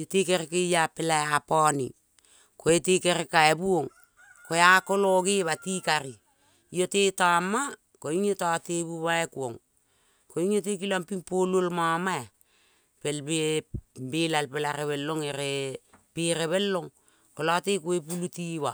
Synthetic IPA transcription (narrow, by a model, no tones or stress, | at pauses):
jotekeɾekejapelaeapani | koetekeɾekaebuoŋ | koeako̞loɡeβatikaɾi | jotetama | koiŋotateβuβaekuoŋ | koiŋotek̬ilampiŋpololmamaa | pelbebelalpelaɾeβelːoŋeɾepeɾeβelːoŋ | kolatekoep̬ulutiβa